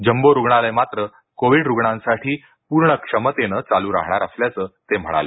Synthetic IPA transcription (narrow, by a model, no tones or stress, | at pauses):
d͡ʑəmboɾuɡɳalajmat̪ɾə | koʋiɖɾuɡɳãnsaʈʰiː | puɾɳəkʂəmət̪enət͡saluːɾa̰ɦɳaɾasljat͡səːt̪em̤əɽa̰le